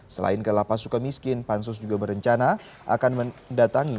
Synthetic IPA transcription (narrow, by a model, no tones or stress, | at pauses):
səla̰ɪnkədalahpasukanmiskɪnpansʊs̬d͡ʒuɡabəɾəɲt͡ʃana | ʔa̰kanməndat̪aŋi